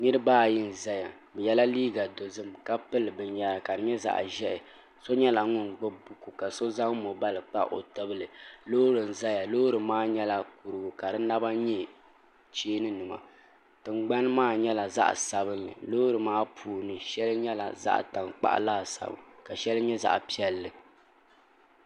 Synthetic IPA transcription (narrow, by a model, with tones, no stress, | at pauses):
nɨ˦ɾɨ˦baː˦˨ji˦n̩˨za˦ja˨ | bɛ˨jɛ˦la˦liː˦ɡa˨do˨zɨ˦mka˦pɨ˦lɨ˨bɨ˨ɲa˨ɾa˨ka˨dɨ˨ɲɛ˦za̰˨ʔʒɛ˦ʔɛ˨ | so˦ɲɛ˦la˨ŋʊ˦nɡ͡bɨ˦bu˦ku˨ka˨so˦za˦ŋmo˨ba˦lɨ˨k͡pa˦ʔʔo̰˨tɨ˦bɨ˦lɨ˨lo˦ɾɨ˨n̩˨za˦ja˨loː˦ɾɨ˨maː˦ɲɛ˦la˨ku˨ɾɨ˨ɡʊ˨ka˨dɨ˦na˦ba˦ɲɛ˦ | t͡ʃeː˦nɨ˦nɨ˨ma̰˨ | tɨ˨ŋ͡mɡ͡ba˦n˦maː˦ɲɛ˦la˨za̰˦ʔsa˨bɨ˦nːɨ̰˨lo˦ɾɨ˨maː˦pʰuː˨nɨ˨ʃɛ˦lɲɛ˦la̰˨za̰˦ʔta˨ŋk͡pa̰˦ʔlaː˦˨sa̰˨bɨ̰˨ka˨ʃɛ˦lɨ˦ɲɛ˦za̰˦˨ʔpi˦ɛ˦lːɨ˨